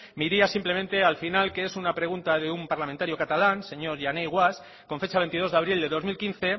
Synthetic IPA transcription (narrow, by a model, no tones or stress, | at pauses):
miɾiasimple̞mẽnt̪e̞alfinalkeesunapɾe̞ɣ̞unt̪aðeumpaɾlament̪aɾjokat̪alanse̞ɲo̞ɾʝanejɣwas | ko̞ɱfe̞t͡ʃaβ̞e̞nt̪ið̞o̞zðaβɾild̪eðo̞zmilkin̟θe̞